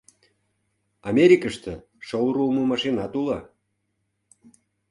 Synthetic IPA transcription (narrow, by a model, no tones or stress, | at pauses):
ɑmʲeɾʲikəʃt̪ə̆ | ʃowɾulmomɑʃinɑt̪ulɑ